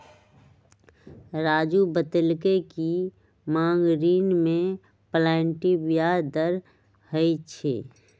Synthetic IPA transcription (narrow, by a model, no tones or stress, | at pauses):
ɾaːd͡ʒubət̪əlkeki | mãːŋɡɾiːnmẽ | plɛːɳʈibjaːd̪əɾ | həit͡ʃʰḛː